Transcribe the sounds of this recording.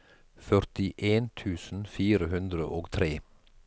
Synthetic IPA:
fœɾt̪ɪʔeːnt̪ʰʉːsn̩fiːɾəhʉnd̪ɾəʔoːɡt̪ʰɾeː

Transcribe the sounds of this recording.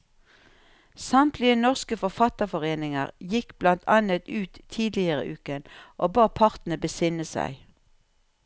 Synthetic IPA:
sɑmt̪lɪənɔʁskəfɔfɑt̪əfɔʁeːnɪŋə̰ʁjɪkb̥lɑnt̪ʰɑnət̪ʉːt̪ʰiːd̪lɪəʁə̰ʔʉːkənʔoːbɑːpʰɑʁt̪n̩əbəsɪnəsæ̰ɪ

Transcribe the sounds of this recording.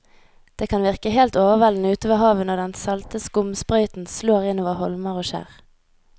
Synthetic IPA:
d̪̥eːkʰɑnʋɪʁkəheːlt̪oːʋəʁʋɛln̩əʉːt̪oːʋəhɑːʋənɔd̪ɛnsɑlt̪əskʊmspʁœʏt̪n̩sloːʁɪnoːʋəʁhɔlməʁoːʃæ̰ːʁ

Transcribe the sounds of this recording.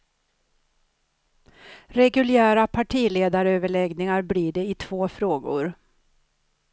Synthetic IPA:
ɾɛɡɵlɪæːɾapʰaʈʰiːleːd̪aɾøːvəɭɛɡnɪŋaɾbliːɖɛɪt̪ʰv̥oːfɾoːɡʊ̰ɾ

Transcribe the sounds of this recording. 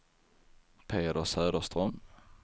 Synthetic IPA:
pʰeːd̪əsøːd̪əst̪ɾœm

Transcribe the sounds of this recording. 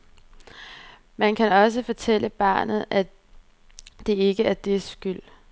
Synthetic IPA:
mænkʰænɒ̽s̬əfɒ̽t͡sʰel̰əb̥ɑ̰̈ːnð̞̩ˠæ | d̥e̝e̝ɡ̥əæɐd̥e̝sɡ̥yl̰

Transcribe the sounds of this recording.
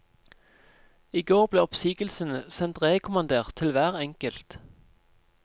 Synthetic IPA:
iːɡoːʁbleːɔpsiːɡəl̩sənəsɛnt̪ʁeːkʰʊmɑnd̪eːʁt̪ʰːɪlʋæːʁɛŋkəlt̪

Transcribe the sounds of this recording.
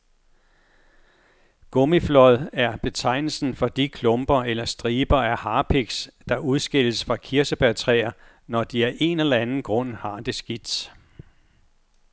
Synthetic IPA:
ɡ̥ɔmiflɒ̽ðˠæɐb̥e̝t͡sʰɑ̈ɪ̰nl̩sn̩fɒ̽d̥ikʰlɔ̽mb̥ɐelɐsd̥ʁiːb̥ɐæɐhɑ̈ːpʰeɡ̥sd̥ɑ̈uðˠsɡ̥e̝l̰əsfʁɑ̈kʰiɐsəb̥æt͡sʰʁɛ̰ːɐ | nɒd̥iæɐʔe̝nelɐænn̩ɡ̥ʁɔ̽n̰hɑ̈d̥e̝sɡ̥id̥s

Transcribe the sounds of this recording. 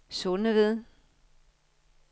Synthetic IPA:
sonəʋeð̞ˠ

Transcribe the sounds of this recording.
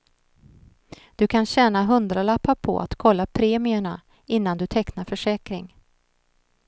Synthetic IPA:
d̪̥ɵkʰanɕɛːnaɦɵnd̪ɾalapːaɾpʰɔ̰ʔa̰t̪kʰɔlːapʰɾeːmɪəɳa | ɪnːand̪ɵt̪ʰɛknaɾfœʂɛːkɾɪŋ

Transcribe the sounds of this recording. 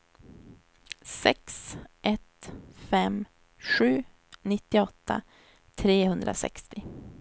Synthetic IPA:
sɛksʔɛt̪fɛm | ɧʉ̟ː | nɪt̪ːɪɔt̪ːa̰ | t̪ʰɾeːhɵnd̪ɾʔa̰sɛ̰kst̪ɪ

